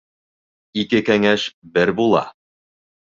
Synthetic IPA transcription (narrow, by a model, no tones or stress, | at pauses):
ikɘkæŋæʃbɘɾbulˠɑ̰